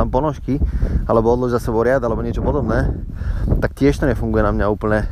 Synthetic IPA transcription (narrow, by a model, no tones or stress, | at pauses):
ampɔnɔʃkialɛbɔɔd̪lɔʒzasɛbɔɾɪad̪alɛbɔɲɪɛt͡ʃɔpɔd̪ɔbnɛː | t̪akt̪ɪɛʃt̪ɔɲɛfuŋɡujɛnamɲauːpl̩ɲɛ